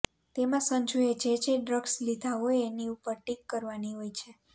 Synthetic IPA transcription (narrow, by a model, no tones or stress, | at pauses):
t̪emãsəɲd͡ʒuet͡ʃet͡ʃeɖɾəɡslid̪ʱaɦoeeniupəɾʈikːəɾʋaniɦojt͡ʃʰe